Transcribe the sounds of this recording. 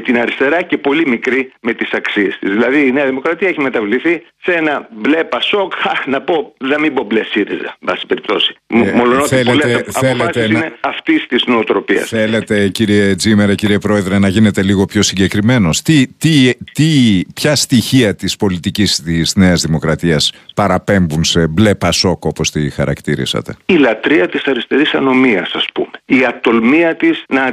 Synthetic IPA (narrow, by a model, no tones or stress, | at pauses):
t̪inɐɾist̪e̞ɾɐce̞po̞limikɾime̞t̪isɐksiest̪izðilɐðiːneɐðimo̞kɾɐt̪iɐeçimet̪ɐvliθisenɐble̞pɐso̞kɐnɐpo̞ðemibo̞blesiɾizɐ̰mbɐsi̥pe̞ɾip̚t̪o̞̰si̥molonotθeleteeɐθelfeɐst̪esineɐft̪ist̪iznoːt̪ɾo̞pḭɐ̰sθele̞t̪e̞ciɾied͡zimeɾeciɾiepɾo̞e̞ðɾe̞nɐʝine̞t̪e̞liɣo̞pço̞siɲɟe̞kɾime̞no̞st̪it̪it̪ipçɐst̪içiɐt̪ispo̞lit̪icist̪izne̞ɐzðimo̞kɾɐt̪iɐspɐɾɐpe̞mbunse̞ble̞pɐso̞ko̞po̞st̪ixɐɾɐ̰kt̪iɾḭsɐ̰t̪e̞̰ilɐt̪ɾiɐt̪isɐɾist̪e̞ɾisɐno̞miɐ̰sɐspṵmeiɐt̪o̞lmiɐt̪isnɐ